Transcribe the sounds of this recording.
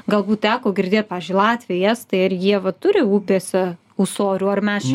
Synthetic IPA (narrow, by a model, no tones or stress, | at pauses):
ɡɐlˠbuːt̪̚t̪ʲæːkoːɡʲɪɾʲd̪ʲeːt̪̚pɑːʋʲezʲd͡ʒʲʊɪlˠɑːt̪ʲʋʲɪjɛst̪ɐɪɐrjiɛʋɐt̪ʊɾʲɪuːpʲeːsʲɛ | ʊsoːɾʲuːɐrmʲɛs